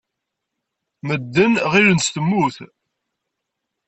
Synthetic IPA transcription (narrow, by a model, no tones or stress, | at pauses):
məd̪ːənʁiɾənst̪əmːuθ